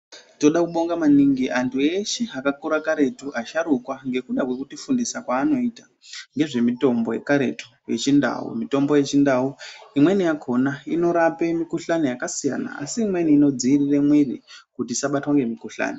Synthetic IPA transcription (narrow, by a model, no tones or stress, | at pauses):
to̞ɗakuɓo̞ŋɡamaniŋɡiʔantʰueʃiakakuɾakaɾe̞tuʔaʃaɾukwaŋɡe̞kuɗakwe̞kutifundisakwaːno̞ita | ŋɡe̞ʐe̞mito̞mbo̞je̞̰kaɾe̞tu̥ | je̞̰t͡ʃinda̰wṵmito̞mbo̞je̞t͡ʃindauimwe̞nijakʰo̞naino̞ɾape̞mikuɬanejakasija̰na̰a̰siːmwe̞niːno̞d͡ziːrire̞mwirikutiːsaɓatwaŋɡe̞mikuɬa̰ːni